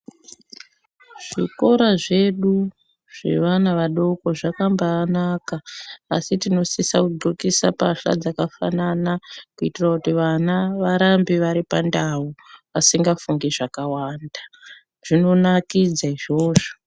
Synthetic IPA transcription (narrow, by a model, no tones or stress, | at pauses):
ʐ̥iko̞ɾaʐe̞ɗu | ʐ̥e̞̰ʋanaʋaɗo̞ko̞ʐakambaːnakaːsitino̞sisakuɡokisapaɬa̰d͡zakafa̰nanakuitirakutiʋanaʋaɾambiʋaɾipandauʋasiŋɡafuŋɡeʐakawaːnda | ʐ̥ino̞nakid͡zaiʐo̞ːʐo̥